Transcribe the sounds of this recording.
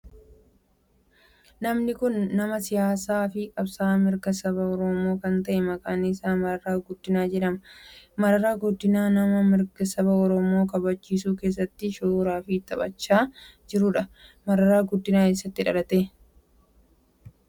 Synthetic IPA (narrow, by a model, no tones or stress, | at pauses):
nɐmnɪkʊnːɐmɐsɪjaːsaːfɪkʼɐbsaːmɪɾɡɐsɐβɐɔɾɔmo̞ːkɐnt̪ɐʔɛmɐkʼaːnɪsaːmɐɾɐɾaːɡʊd̪ːɪnaːd͡ʒɛᶑɐmɐmɐɾɐɾaːɡʊd̪ːɪnaːnɐmɐmɪɾɡɐsɐbɐɔɾɔmo̞ːkɐbɐt͡ʃːiːsuːke̞ːs̬ːɐt̪ːɪʃoːɾaːfɪt̪ːɐbɐt͡ʃːaːd͡ʒɪɾʊᶑɐmɐɾɐɾaːɡʊd̪ːɪnaːke̞ːsːɐt̪ːɪᶑɐlɐt̪eː